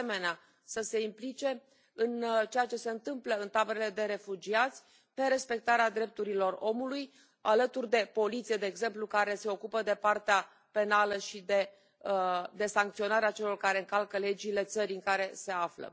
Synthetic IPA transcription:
eme̞nea | səse̞implit͡ʃe̞ | ɨnt͡ʃejat͡ʃe̞se̞ɨnt̪ɨmpləɨnt̪abeɾele̞d̪e̞ɾe̞fud͡ʒiat̪sʲ | pe̞ɾe̞spe̞k̚t̪aɾead̪ɾe̞p̚t̪uɾilo̞ro̞muluj | alət̪urʲd̪e̞po̞lit̪sije̞d̪e̞ːɡze̞mplukaɾe̞se̞o̞kupəd̪e̞part̪ea | pe̞naləʃid̪e̞ | d̪e̞saŋkt̪sio̞naɾeat͡ʃe̞lo̞rkaɾe̞ɨŋkalkəle̞d͡ʒile̞t̪səɾiɨŋkaɾe̞se̞aflə̰

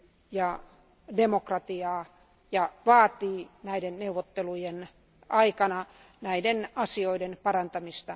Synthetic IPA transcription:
jɑ | demokrɑt̪iɑː | jɑʋɑːt̪iːnæidenneuʋːˑot̪ːelujen | ɑikɑnɑ | næidenɑsioidenpɑrɑnt̪ɑmist̪ɑ

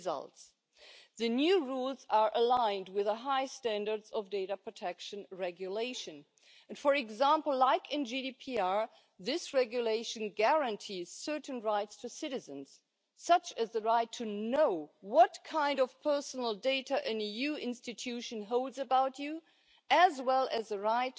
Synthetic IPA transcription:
zʌ̰lˠts | ðɨnjʉɹulˠzə˞ʔəlãɪ̃nd̚wɪðəɦaɪstæ̃ndə˞dzʌvdeɪɾəpʰɹ̥ɨtʰɛkʃɨ̃nɹɛɡjuleɪʃɨ̃n | ɨ̃nfə˞ɨɡzæ̃mpl̩ˠlaɪkʰɨ̃nd͡ʒidipʰiɑɹ | ðɪsɹɛɡjuleɪʃɨ̃nɡæɹɨ̃ntʰiz̥sɜ˞ʔn̩ɹaɪtstʰɨsɪɾɨzɨ̃nz̥ | sʌt͡ʃɨzðəɹaɪtʰɨnoʊwʌtkʰãɪ̃ndʌv̥pʰɜ˞sn̩l̩ˠdeɪɾəʔɨ̃nijʉɪ̃nstɨtʰʉʃɨ̃nɦoʊlˠdzɨbaʊt͡ʃu | ɨzwɛlˠɨzðəɹaɪt

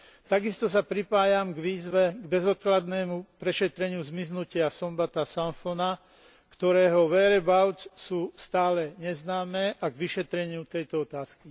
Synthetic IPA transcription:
t̪aɡist̪ɔs̬apɾipaːjamɡʋiːzʋɛɡbɛzɔt̪̚klad̪nɛːmupɾɛʃɛt̪ɾɛɲɪuzmiznucɪasɔmbat̪asaɱfɔna | kt̪ɔɾɛːɦɔʋɛɾɛbaʊt͡ssuːst̪aːlɛɲɛznaːmɛːʔaɡʋiʃɛt̪ɾɛɲɪut̪ɛjt̪ɔɔt̪aːski

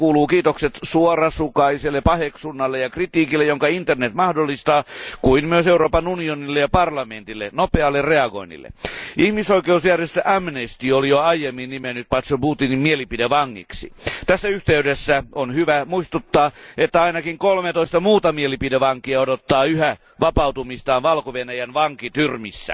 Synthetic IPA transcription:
kuːluːkiːt̪okset̪suorɑsukɑiselːepɑheksunːɑlːejɑkrit̪iːkilːejoŋkɑint̪ernet̪mɑhdolːist̪ɑːkuimmyøseuroːpɑnunionilːejɑpɑrlɑment̪ilːḛnopeɑlːerreɑɡo̰inːḭlːḛʔihmisoikeusjærjest̪øʔæmnest̪iːolijoɑijemːinnimenːyt̪̚pɑt̪sobuːt̪inimmielipideʋɑŋːḭksḭt̪æsːæyht̪eydesːæonhyʋæmuist̪ut̪ːɑːet̪ːæɑinɑkiŋkolmet̪oist̪ɑmuːt̪ɑmielipideʋɑŋkiɑodot̪ːɑːyhæ | ʋɑpɑut̪umist̪ɑːnʋɑlkoʋenæjænʋɑŋkit̪yrmisːæ̰

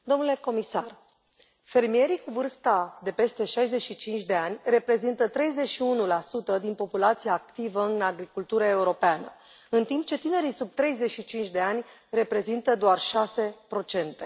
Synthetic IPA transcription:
d̪o̞mnule̞ko̞misar | fe̞rmije̞ɾikuvɨrst̪ad̪e̞pe̞st̪e̞ʃajze̞ʃit͡ʃint͡ʃʲd̪e̞anʲre̞pɾe̞zint̪ət̪ɾe̞jze̞ʃiunulasut̪əd̪inpo̞pulat̪sijaːkt̪ivəɨnaɡɾikult̪uɾəe̞uɾo̞peanə̰ | ɨnt̪imp̚t͡ʃe̞t̪ine̞ɾisub̚t̪ɾe̞jze̞ʃit͡ʃint͡ʃʲd̪e̞anʲre̞pɾe̞zint̪əd̪oarʃase̞pɾo̞t͡ʃe̞nt̪e̞

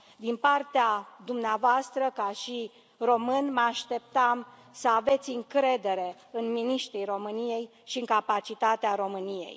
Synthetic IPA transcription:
d̪inpart̪ead̪umneavoast̪ɾəkaʃi | ro̞mɨnməaʃt̪e̞p̚t̪am | səave̞t̪sʲɨŋkɾe̞d̪e̞ɾe̞ | ɨnminiʃt̪ɾijro̞mɨnije̞j | ʃiɨŋkapat͡ʃit̪at̪eaɾo̞mɨnije̞̰j

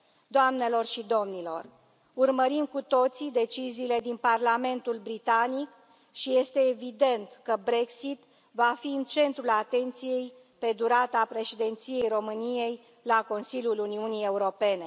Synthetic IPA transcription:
d̪oamne̞lo̞rʃid̪o̞mnilo̞̰r | urməɾimkut̪o̞t̪sid̪e̞t͡ʃiziːle̞d̪inparlame̞nt̪ulbɾit̪anik | ʃije̞st̪e̞ːvid̪e̞nt̪kəbɾe̞ksit̪ | vafiɨnt͡ʃe̞nt̪ɾulat̪e̞nt̪sije̞j | pe̞d̪uɾat̪apɾe̞ʃid̪e̞nt̪sije̞jro̞mɨnije̞j | lako̞nsilʲjuluniunije̞uɾo̞pe̞ne̞

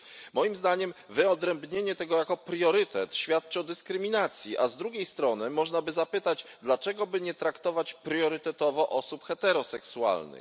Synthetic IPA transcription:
mɔjimzd̪aɲɛmvɘɔd̪ɾɛmbɲeɲɛt̪ɛɡɔjakɔpɾjɔɾɘt̪ɛt̪ɕfʲjat̪̚t͡ʂɔd̪ɘskɾɘmʲinat̪sʲjiʔazd̪ɾuɡʲejst̪ɾɔnɘmɔʐnabɘzapɘt̪ad͡ʑd̪lat͡ʂɛɡɔbɘɲɛt̪ɾakt̪ɔvat͡ɕpɾjɔɾɘt̪ɛt̪ɔvɔʔɔsupxɛt̪ɛɾɔsɛksua̰lnɘ̰x

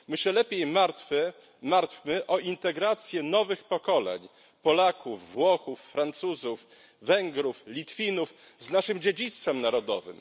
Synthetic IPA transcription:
mɘɕɛlɛpʲjejmaɾt̪fɛ | maɾt̪fʲmɘʔɔʔint̪ɛɡɾat̪sʲjɛnɔvɘxpɔkɔlɛ̰ɲ | pɔlakuvːwɔxufːɾant̪suzuf | vɛŋɡɾuflʲit̪fʲinuf | znaʂɘmd͡ʑed͡ʑit̪st̪fɛmnaɾɔd̪ɔ̰vɘ̰m

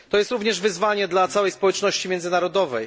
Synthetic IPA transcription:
t̪ɔjɛst̪ɾuvɲɛʐvɘzvaɲɛd̪lat̪sawɛjspɔwɛt͡ʂnɔɕt͡ɕimʲjɛnzɘnaɾɔd̪ɔvɛ̰j

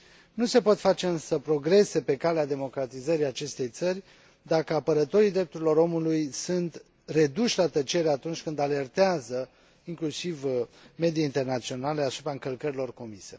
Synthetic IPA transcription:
nuse̞po̞t̪fat͡ʃe̞ɨnsəpɾo̞ɡɾe̞se̞pe̞kalead̪e̞mo̞kɾat̪izəɾiat͡ʃe̞st̪e̞jt̪sərʲ | d̪akəapəɾət̪o̞ɾid̪ɾe̞p̚t̪uɾilo̞ɾo̞mulujsunt̪ | re̞d̪uʃʲlat̪ət͡ʃe̞ɾeat̪unt͡ʃʲkɨnd̪ale̞rt̪eazə | iŋklusivme̞d̪ieint̪e̞rnat̪sio̞nale̞asupɾaɨŋkəlkəɾilo̞rko̞mise̞̰

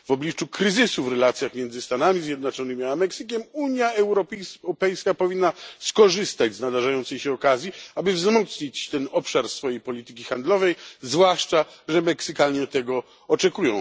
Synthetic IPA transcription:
v̥ɔblʲit͡ʂukɾɘzɘsuvɾɛlat̪sʲjaxmʲjɛnd̪zɘst̪anamʲizʲjɛd̪nat͡ʂɔnɘmʲiamɛksɘkʲɛmuɲjaɛwɾɔpɛjskapɔvʲinːaskɔʐɘst̪ad͡ʑznad̪aʐajɔnt̪sɛjɕɛɔkazʲjiabɘvzmɔt̪sɲit͡ɕt̪ɛnɔpʂaɾsfɔjejpɔlʲit̪ɘkʲixand̪lɔvɛjzvwaʂt͡ʂaʐɛmɛksɨkalɲɛt̪ɛɡɔ | ɔt͡ʂɛkujɔ̃w̃

